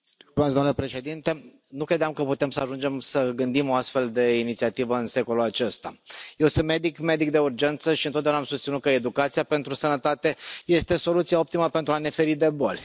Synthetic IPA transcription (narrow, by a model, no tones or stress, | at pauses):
sumat̪sd̪mnule̞pɾe̞ʃe̞d̪int̪e̞ | nukɾed̪eamkəput̪e̞msəaʒund͡ʒe̞msəɡɨnd̪imo̞ast̪fe̞ld̪e̞init̪siat̪ivəɨnse̞ko̞lulat͡ʃe̞st̪a̰je̞wsɨnt̪me̞d̪ikme̞d̪ik̚d̪e̞urd͡ʒe̞nt̪səʃiɨnt̪ot̪d̪aunamsust̪inut̪̚kəed̪ukat̪siape̞nt̪ɾusənət̪at̪e̞je̞st̪e̞so̞lut̪siao̞p̚t̪iməpe̞nt̪ɾuane̞fe̞ɾid̪e̞bolʲ